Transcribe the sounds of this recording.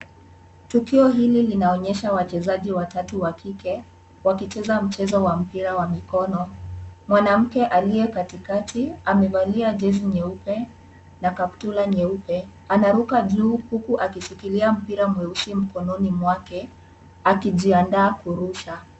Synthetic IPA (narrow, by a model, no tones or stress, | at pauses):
tukiɔɦililinaɔɲɛʃawat͡ʃɛzaʄiwatatuwakʰikɛ | wakit͡ʃɛzam̩t͡ʃɛzɔwam̩piɾawamikɔnɔmwanam̩kɛʔalijɛkatikatʰiamɛvaliad͡ʒɛziɲɛupɛ | nakaptulaɲɛupɛ | anaɾukaʄuːhukuʔakisikiliam̩piɾamwɛusim̩kɔnɔnimwakɛ | akiʄiandaːkuɾuʃa